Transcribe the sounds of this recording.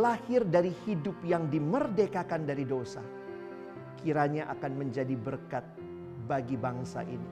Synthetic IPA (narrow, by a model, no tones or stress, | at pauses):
lahɪrdaɾihidʊp̚jaŋdimərdekakandaɾidosa̰ | kʰiɾaɲaʔa̰kanməɲd͡ʒadibərkat̪̚ | baɡibaŋsa̰ʔḭni